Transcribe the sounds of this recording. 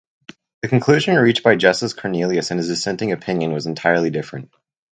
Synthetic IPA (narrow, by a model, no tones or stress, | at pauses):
ðɨkɨ̃n̩kʰl̥ʉʒɨ̃nɹit͡ʃ̚b̥aɪd͡ʒɛsəskʰɔɹnilˠiɨsɨ̃nɨzɨsɛ̃ntɪ̃ŋɨpʰɪ̃njɨ̃nwʌz̃n̩tʰaɪə˞lˠidɪfɹɨ̰̃nt̚